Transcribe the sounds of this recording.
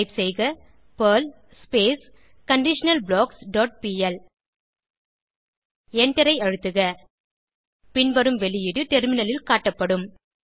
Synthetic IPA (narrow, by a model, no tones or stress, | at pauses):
ɪpsɛjɣɐ | pɐːl | speːs | kɐɳɖɪʂɐnɐlbɭoːksɖoːʈ̚piːɛl | ɛɳʈɐɾɐɪɐɻɯt̪ːɯɣɐ | pɪɳbɐɾɯmʋɛlɪjɪɽɯʈɛɾmɪnɐlɪlkaːʈːɐpːɐɽɯm